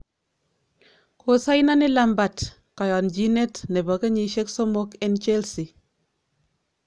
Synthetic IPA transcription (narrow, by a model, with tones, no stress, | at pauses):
kʰo˨sa˦jna˦nɪ˦la˨mba˨t | kɔ˨jɔ˨nd͡ʒi˦ne˦tnɛ˨bɔ˨ke˦ɲi˨ʃe˦kso˦mo˦ke˦nt͡ʃe˦lsi˨